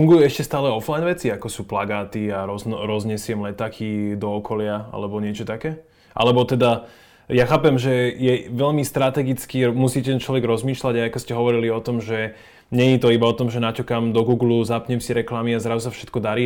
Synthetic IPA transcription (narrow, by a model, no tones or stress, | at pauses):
fuŋɡujuɛʃcɛst̪aːlɛɔflajnʋɛt͡siakɔsuːplaɡaːt̪iaɾɔzɾɔzɲɛsɪɛmlɛt̪aːkʰid̪ɔːkʰɔlɪaa̰lɛbɔɲɪɛt͡ʃɔt̪akɛː | ʔa̰lɛbɔt̪ɛd̪a | jaxaːpɛmʒɛjɛʋɛʎmist̪ɾat̪ɛɡit͡skimusiːcɛɛnt͡ʃlɔʋɛɡɾɔzmiːʃlaɟaakɔscɛɦɔʋɔɾiliɔt̪ɔmʒɛ | ɲɛɲit̪ɔibaɔt̪ɔmʒɛnat͡ʃɛkamd̪ɔɡuːɡluzapɲɛmsiɾɛklamiazɾazusafʃɛ̥t̪kɔd̪aɾiː